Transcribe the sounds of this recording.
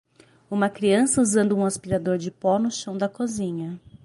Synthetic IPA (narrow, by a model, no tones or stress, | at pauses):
ũmɐkɾiɐ̃sɐuzɐ̃nd̪ʊũaspiɾad̪oɾd͡ʒɪpɔnʊʃɐ̃w̃d̪ɐkozĩɲɐ